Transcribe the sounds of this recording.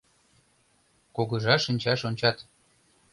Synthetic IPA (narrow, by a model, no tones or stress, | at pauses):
koɣə̆ʒɑʃənʲt͡ɕɑʃonʲt͡ɕɑt̪